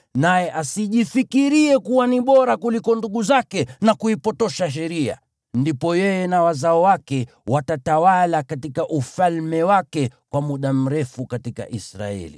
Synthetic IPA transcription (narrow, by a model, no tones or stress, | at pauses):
najɛʔasiʄifikiɾiɛkuwaniɓɔɾakulikɔnduɠuzakɛnakuipɔtɔʃaʃ̬ɛɾia̰ | ndipɔjɛjɛnawazaɔwakɛ | watatawalakatikaʔufalmɛwakɛkwamuɗam̩ɾɛfukatika̰ʔisɾa̰ɛ̰li